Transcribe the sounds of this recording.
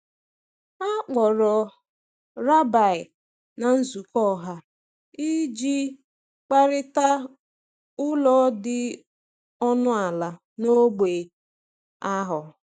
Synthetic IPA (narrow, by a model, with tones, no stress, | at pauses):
a˦k͡pɔ˨ɾɔ˨ | ɾa˦ba˨ɪ˨ | na˨n̩˦zu˨kɔ˦˨ɦa˦ | i˦d͡ʒi˦ | k͡pa˦ɾɪ˦ta˦ | ʊ˦lɔ˦dɪ˨ | ɔ˦nʊ˦a˨la˨ | no˦ɡ͡be˨ | a˦ɦʊ˨